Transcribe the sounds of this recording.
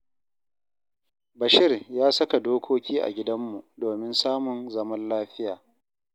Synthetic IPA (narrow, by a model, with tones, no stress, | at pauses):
bɐ˨ʃɪ˦rjaː˦sɐ˦ka˨doː˦kʷʰoː˦kʲʰiː˦ʔa̰˨ɡʲɪ˦dɐ˦mːu˨ʔdoː˨mɪ˦nsaː˦mʊ˨nzɐ˦mɐ˦nlaː˦ɸɪ˦jaː˨